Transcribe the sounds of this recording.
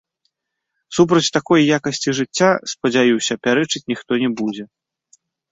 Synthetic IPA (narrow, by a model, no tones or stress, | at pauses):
sup̬ɾɐt͡sʲt̪akɔjjakɐsʲt͡sʲiʐɨt͡sʲːaspɐd͡zʲajiwsʲɐpʲaɾɛt͡ʂɨt͡sʲnʲixt̪ɔnʲɛbud͡zʲɛ